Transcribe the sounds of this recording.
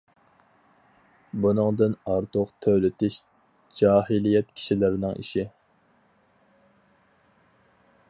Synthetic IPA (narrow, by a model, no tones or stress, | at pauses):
bunɨŋd̪ɨnɑɾt̪ʰʊqt̪ʰølɪt̪ʰɪʃ | d͡ʒɑːɦilijɛt̪kʲʰi̥ʃilɪɾɪnɪŋḭʃi